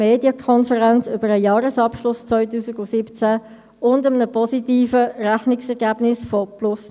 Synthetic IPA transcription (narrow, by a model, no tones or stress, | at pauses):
meːdjəkʰɔnfəʁɛnt͡sʏbəɾəjɑːɾəsɑpʃlʊst͡svɔʏtuːsɪɡʊsɪpt͡sæ | ʊndəmənəpʰɔsitiːfəræχnɪksɛʁɡæːbnɪsfɔplʊs